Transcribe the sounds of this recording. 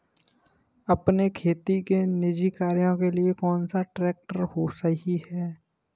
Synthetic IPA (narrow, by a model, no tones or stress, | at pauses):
ɐpnekʰeːt̪ikenɪd͡ʒikaːɾijõkeliekɔːnsaʈɾɛːk̚ʈəɾhosəɦiɦɛː